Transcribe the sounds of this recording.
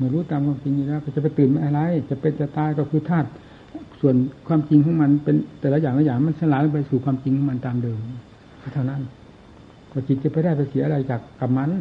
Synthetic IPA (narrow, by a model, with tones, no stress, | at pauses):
ma˧˨ɾuː˦˥t̪aː˧mkʰwaː˧mt͡ɕi˧ŋjuː˨˧lɛː˧˥˨ka˧˩t͡ɕa˨˩p̬a˧˩jt̪ɯː˨˩˨mʔa˧nʔa˧la˧˥˨jt͡ɕa˧˩pe˧nt̪a˨˧˩t̪aː˧˨jkɔ˧˩kʰɯː˧˩t̪ʰaː˥˩t̪̚ | su˨˩ənkʰwaː˧mt͡ɕi˧ŋkʰɔ˨˥˦ŋma˧˨npe˧nt̪ɛː˨˩lɛ˦˥jaː˨˩ŋla˧˩jaː˨˩ŋ˧ma˧˥˨nsa˧laː˨˦la˧˩pa˧jsuː˨˩kʰwaː˧mt͡ɕi˧ŋkʰɔ˧˥ma˧nt̪aː˧˨mdɤː˧m˧˩ | pʰa˧˩t̪ʰa˧˩wna˦˧˥n | kɔː˧˩t͡ɕi˨t̪̚t͡ɕa˧˩pa˧jdaː˥˩jpa˧jsi˨˩˦ʔla˧jt͡ɕaː˨˩kːa˨˩p̚ma˧˥n